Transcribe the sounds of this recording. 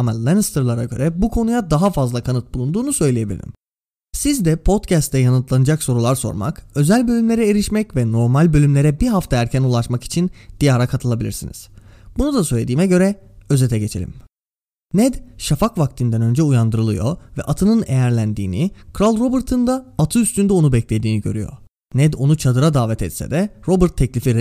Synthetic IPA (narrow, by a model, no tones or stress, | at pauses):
amalˠanst̪ɯɾlˠaɾaɟø̞ɾɛbukʰo̞nujad̪aɦafazlˠakʰanɯt̪̚bulˠund̪uːnusø̞jlʲejebilʲḭɾʲim | sizd̪ɛpʰo̞t̪cʰæst̪ʰɛjanɯt̪lˠanɯd͡ʒakso̞ɾulˠaɾso̞̰ɾma̰kø̞zælʲbø̞lʲymlʲe̞ɾɛeɾiʃmɛcvɛno̞ɾmalʲbø̞lʲymlʲe̞ɾɛbiɦaft̪ʰaæɾcʰænulˠaʃmaki̥t͡ʃʰind̪̥ijaːɾakʰat̪ʰɯlˠabilʲiɾsḭnḭz̥b̥unud̪asølʲe̞d̪iːmɛɟø̞ɾɛø̞zet̪ʰɛɟe̞t͡ʃʰe̞lʲḭm | nɛd̪ʃafakvak̚t̪ʰind̪ænø̞nd͡ʒɛujand̪ɯɾɯlˠɯjo̞̰vɛ̰ʔat̪ʰɯnɯnejæɾlʲænd̪iːnikʰɾalˠɾo̞bɯɾt̪ʰɯnd̪aːt̪ʰɯyst̪ynd̪ɛo̞nubɛclʲe̞d̪iːniɟø̞ɾy̰jo̰ | nɛd̪o̞nut͡ʃʰad̪ɯɾad̪aːvɛt̪ʰɛt̪sɛ̰d̪ɛɾo̞bɯɾt̪ʰːɛclʲifiɾ